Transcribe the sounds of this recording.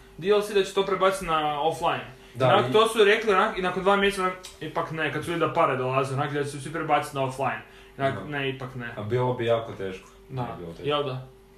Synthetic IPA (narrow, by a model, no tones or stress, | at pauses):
d̪iolsid̪at͡ʃet̪opɾebat̪sit̪naoflˠajin | d̪anakt̪osuɾeklinakinakond̪ʋaːmʲjeset̪nakipaknekad̪suʋid̪lʲid̪apaɾed̪olˠazilonaklid̪at͡ʃesesʋipɾebat̪si̥t̪naoflˠajin | naneipaknebiːlˠobijaːkot̪eːʃko̥d̪ajɛld̪a